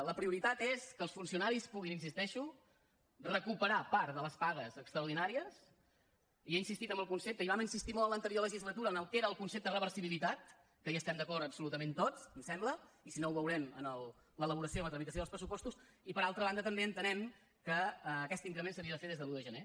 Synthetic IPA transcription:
ləpɾiuɾit̪at̪eskəlˠsfunsiunaɾispuɣ̞ininsist̪ɛʃu | rəkupəɾapaɾt̪ðələspaɣəzəkst̪ɾəuɾðinaɾiəs | ieinsist̪it̪ə̃mbəlˠkunsep̚t̪əiβaməinsist̪imɔlˠələnt̪əɾioləʒizlət̪uɾəːnəlˠkeɾəːlˠkunsep̚t̪ərəβəɾsiβilit̪at̪̚ | kəjaəst̪ɛmd̪əkɔrɾt̪əpsulut̪əment̪ot͡smsɛmbləisinouβəwɾɛmənəlˠ | lələβ̞uɾəsiolət̪ɾəmit̪əsjoð̞lˠspɾəs̬upɔst̪usipəɾalˠt̪ɾəβand̪ət̪əmbeənt̪ənɛm | kəːkɛst̪iŋkɾəmensəβiəðəfeðezðəluðəʒəne

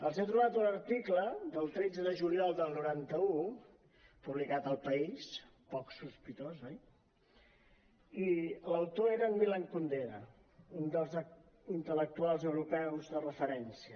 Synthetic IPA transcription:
əlˠzet̪ɾuβat̪unəɾt̪ikləðəlˠt̪ɾɛd͡zəðəʒuliɔlˠd̪əlˠnuɾant̪əu | puβlikat̪əlˠpəis | pɔksuspit̪ozɔj | iləwt̪oeɾəːnmilaŋkund̪eɾə | und̪əlˠz | int̪ələk̚t̪ualˠzəwɾupɛwzðərəfəɾɛnsiə

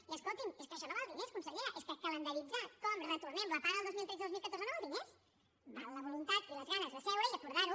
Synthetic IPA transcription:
iəskolˠt̪imeskəʃɔnoβalˠd̪ineskunsəɣiɾəʔeskəkələnd̪əɾid͡zakɔmrət̪uɾnemləpaɾəlˠdozmilt̪ɾezðozmilˠkət̪oɾzənoβalˠd̪ines | bawləβulunt̪at̪iləzɣanəzðəsɛwɾəiəkuɾðaɾu

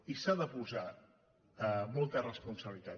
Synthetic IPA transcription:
isaðəpuza | mɔlˠt̪ərəspunsəβlit̪a

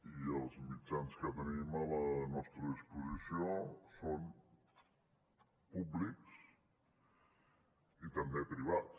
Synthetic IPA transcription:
iəlˠzmid͡ʒanskət̪ənimələnɔst̪ɾəispuzisioson | publiks | it̪əmbepɾiβ̞at

